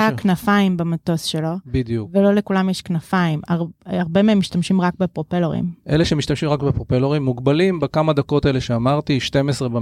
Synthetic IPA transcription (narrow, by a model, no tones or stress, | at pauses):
aknafaimbamato̞sʃe̞lobid̪juvelo̞lekulamjeʃknafaimaʁaʁbe̞meemːiʃtamʃimʁakbepʁopeloʁḭmʔeleʃemiʃt̪amʃimʁakbepʁopeloʁimːuɡbalimbekamad̪ako̞t̪eleʃeamaʁt̪iʃt̪e̞mesʁeba